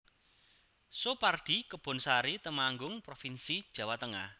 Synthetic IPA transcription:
sopard̥i̤kəb̥ɔ̤nsaɾit̪əmaŋɡʊŋpɾofinsid̥ʒ̥ä̤wat̪əŋah

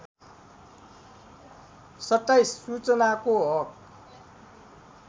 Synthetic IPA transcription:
sʌtːajsːut͡sʌnakoɦʌk̚

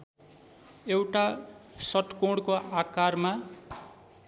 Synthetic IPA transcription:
ewʈasʌʈkoɽkoakarma

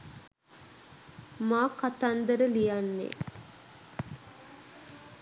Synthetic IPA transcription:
maːkat̪and̪əɾəlijanːḛ

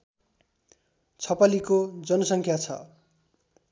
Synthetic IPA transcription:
t͡sʰʌpalikod͡zʌnʌsʌŋkʰjat͡sʰʌ̰

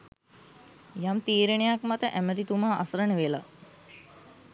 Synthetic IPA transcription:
jamt̪iːɾəɳejakmat̪əʔæməɾit̪umaːʔa̰səɾəɳəʋela

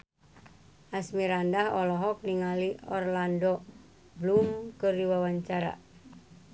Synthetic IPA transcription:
ʔasmiɾandahɔlɔɦɔk̚niŋaliɔrlandɔ | blumkərdiwawaɲt͡ʃaɾa̰

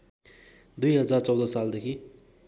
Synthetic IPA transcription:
d̪ujɦʌd͡zart͡sʌwd̪ʌsald̪ekʰi

